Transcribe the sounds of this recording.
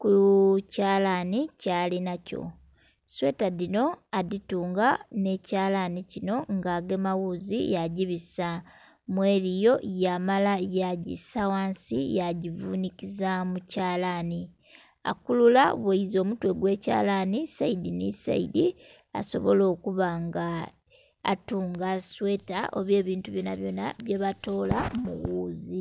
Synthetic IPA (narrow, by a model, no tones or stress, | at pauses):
kucaːlanicalinaco̞̰ | swe̞ːtaðino̞aðituːŋɡane̞caːlanicino̞ŋɡaːɡe̞mawuzḭjaɟiβisa | mweːɾijo̞jamalajaɟḭsawaːnsḭjaɟivuːnikizamucaːlani | a̰kulula̰βweizo̞ːmutwe̞ɡwe̞ːca̰ːlanisaidinḭsa̰idi | a̰so̞̰βo̞̰lo̞ːkuβaŋɡa̰ː | tuːŋɡaswe̞ːta̰ʔo̰βje̞ːβiːntuβjo̞na̰βjo̞na̰βje̞βato̞ːlamṵwuːzi